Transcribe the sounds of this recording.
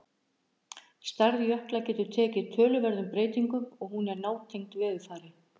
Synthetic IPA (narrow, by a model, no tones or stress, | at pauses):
st̪aɾðjœhklacɛːt̪ʏɾ̥t̪ʰɛːcɪt̪ʰœːlʏvɛɾðʏmpɾeːjt̪iŋkʏmɔɣhunɛɾnaːwt̪ʰejŋ̥t̪vɛːðɪθaːɾɪ